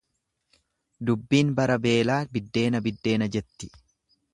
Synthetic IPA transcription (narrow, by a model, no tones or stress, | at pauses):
d̪ʊbːiːnbɐɾɐbe̞ːlaːbɪd̪ːe̞ːnɐbɪd̪ːe̞ːnɐd͡ʒɛt̪ːɪ̥